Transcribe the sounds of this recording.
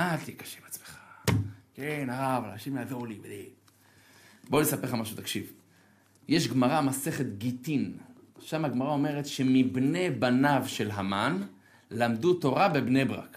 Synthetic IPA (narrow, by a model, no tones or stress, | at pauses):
at̪ikḁʃe̥vat͡smeχḁkenaʁavalanaʃimlaadolibed̪e | bolesapeχamaʃut̪akʃiv | jeʃɡmaʁamase̞χe̞t̪ɡit̪in | ʃamaɡmaʁao̞me̞ʁet̪ʃe̞mibne̞banavʃe̞lɦaman | lamd̪uto̞ʁabe̞bne̞bʁa̰k